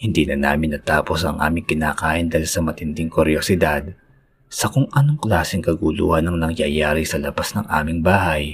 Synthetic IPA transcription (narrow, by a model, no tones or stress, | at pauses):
hɪnd̪iːnɐna̰ːmɪnːɐt̪aːpo̞sɐ̰ŋʔa̰ːmɪŋkɪna̰ːkaːʔɪnd̪aːjlsɐmɐt̪ɪnd̪ɪŋkʊɾjosɪd̪ad̪̚ | sɐkʊŋʔɐnoŋklaːsɪŋkɐɡulṵːhɐnːɐŋnɐŋjaːjaːɾɪsɐlɐbasnɐŋʔa̰ːmɪŋbaːhɐj